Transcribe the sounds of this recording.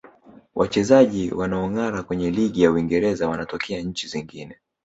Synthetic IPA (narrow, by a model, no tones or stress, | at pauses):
wʔat͡ʃɛzaʄiwanaɔŋaɾakwɛɲɛliɠijauiŋɡɛɾɛzawanatɔkʰɛaɲ̩t͡ʃiziŋɡinɛ